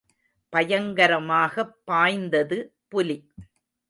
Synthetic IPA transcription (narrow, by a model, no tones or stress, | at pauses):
pɐjɐŋɡɐɾɐmaːɣɐpːaːjnd̪ɐðɯpʊli